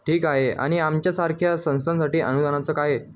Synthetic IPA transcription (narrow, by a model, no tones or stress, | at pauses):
ʈʰiːkaɦea̰ɽ̃iamt͡ɕjasaɾkʰjasə̃w̃st̪ʰansaʈiːʔə̰nud̪ʱanat͡səːkaɦe